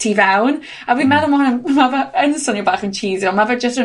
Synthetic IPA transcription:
tʰiːvɛwn | awimɛðʊlˠmahʊnəmavɛənsɔnibaːχənt͡ʃʰiːzjɔmavɛd͡ʒəstə

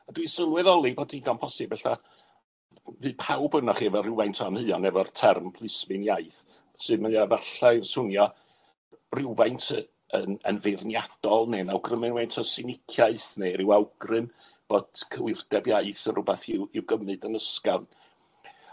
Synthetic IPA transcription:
adwisəlˠwɛðɔlˠibotʰiɡanmpʰɔsɪb̥̚ɛɬa | vɨːpʰawbənɔχivɔrɪwvajntʰɔəmhɨːɔnɛvɔrtʰɛrmpʰlˠɪsmɨnjajθ | sɨdməavaɬaɪrsʊnjɔ | rɪwvajntʰə | ənə̰nvernjad̥ɔlˠnenawɡrəmɨnwajntʰɔsɪnɪkʰjaɨθneɾɪwawɡrɨm | b̥od̥kʰəwɪrdɛbjaɨθənrʊbɛθɪwɪwɡəmɨdənəskan

